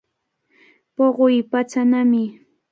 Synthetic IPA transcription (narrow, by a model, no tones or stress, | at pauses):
poɢojpat͡sanamɪ